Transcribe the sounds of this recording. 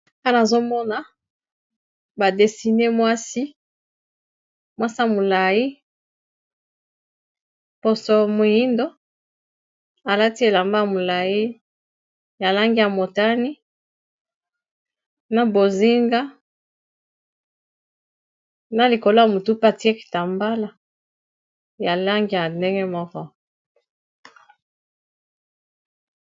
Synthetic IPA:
a˦na˨zo˦mɔ˦na˨ | ba˨de˨si˨ne˦mwa˦si˦ | mwa˦sa˦˨mo˨la˨ji˦ | po˨so˨mo˨ji˦ndo˦ | a˨la˦ti˦e˨la˨mba˦a˨mo˨la˨ji˦ | ja˨la˦ŋɡi˦ja˨mo˨ta˦ni˦ | na˨bo˨zi˦ŋɡa˦ | na˨li˨ko˨lo˦ja˨mo˨tu˦pa˦˨ti˦e˦ki̥˨ta˨mba˦la˨ | ja˨la˦ŋɡi˦ja˨nde˦ŋɡɛ˦mɔ˦kɔ˦

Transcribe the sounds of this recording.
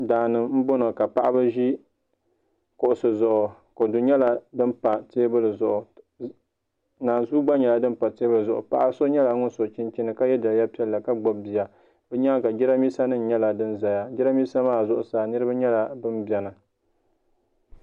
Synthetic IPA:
daː˨nɨ˨m̩˦bo˦no˨ka˨pa˦ʔa˦bɨ˦ʒi˦ | kʊ˨ʔʊ˨sɨ˨zʊ˨ʔʊ˨ko˨du˨ɲɛ˦la˨dɨ˦n˦pa˨teː˦bɨ˦lɨ˨zʊ˨ʔʊ˨ | naː˨nzuː˦ɡ͡ba˦ɲɛ˨la˨dɨ˦n˦pa˨teː˦bɨ˦lɨ˨zʊ˨ʔʊ̰˨pa˦ʔa˦so˦ɲɛ˦la˨˦ŋʊ˦n˦so˨t͡ʃɪ˦nt͡ʃɪ˦nɨ˨ka˦jɛ˦da˨ja˦pi˦ɛ˦lːa˨ka˦ɡ͡bɔ˨bbi˨ja˨ | bɛ˦ɲaː˦ka˨d͡ʒɪ˦ɾa˦miː˦sa˦nɨ˦n̩˦ɲɛ˦la˨dɨ˦nza˨ja˨d͡ʒɪ˦ɾa˦mi˦sa˦maː˦˨zʊ˦ʔʊ˨sa˨nɨ˦ɾɨ˦ba˦ɲɛ˦la˨bɨ˦mbɛ˨na˨

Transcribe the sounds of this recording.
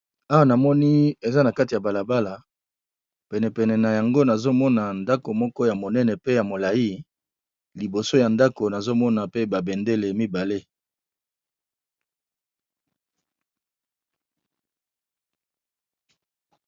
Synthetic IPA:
a˦wa˦na˨mɔ˦ni˦e˨za˦na˨ka˦ti˨ja˨ba˨la˨ba˦la˨ | pɛ˨nɛ˨pɛ˨nɛ˨na˨ja˨ŋɡo˦na˨zo˦mɔ˦na˨nda˦ko˨mɔ˦kɔ˦ja˨mo˨nɛ˦nɛ˨pe˦ja˨mo˨la˨i˦ | li˨bo˨so˦ja˨nda˦ko˨na˨zo˦mɔ˦na˨pe˦ba˨bɛ˨nde˦le˨mi˦ba˨le˦

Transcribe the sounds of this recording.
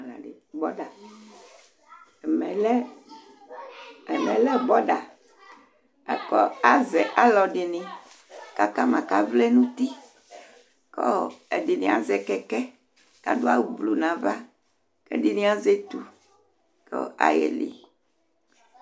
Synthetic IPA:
la̰˨ɖe˨ | bɔ˦ɖa˨ | ɛ˨mɛ̃˨lɛ˦ | ɛ˨mɛ̃˨lɛ˦bɔ˦ɖa˨ | ɛ˨kɔ˦a˦zɛ˨ʔa˦lɔ˨ɖi˨nĩ˨ | ka˦ka˦mã˨ka˦vle˦nũ˦t̪i˦ | kɔ˦˨e˨di˨nĩ˨a̰˨zɛ˨kɛ˦kɛ˦ | ka̰˦do˦a˦wvlu˨nã˨va˦ | kɛ̰˦di˨nĩ˦a˦ze˦t̪u˨ | kɔ̰˦a̰˨jɛ̰˨lḭ˨

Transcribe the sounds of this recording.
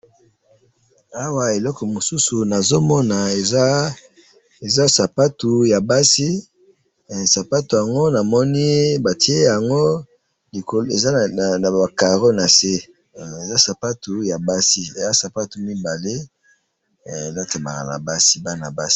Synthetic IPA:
a˦wa˨e˨lɔ˦kɔ˨mo˨su˦su˨na˨zo˦mɔ˦na˨e˨˦ | e˨za˦sa˨pa˦tu˨ja˨ba˦si˦˨ | sa˨pa˦tu˨ja˨ŋɡo˦na˨mɔ˦ni˦ba˨ti˦e˦ja˨ŋɡo˦ | li˨ko˨le˨za˦˨na˨a˨ka˨ʁo˦na˨se˦ | e˨za˦sa˨pa˦tu˨ja˨ba˦si˦e˨za˦sa˨pa˦tu˨mi˦ba˨le˦˨ | e˨za˦te˨ma̰˨ka̰˨na̰˨ba˦si˦ba˦na˨ba˦si̥˦

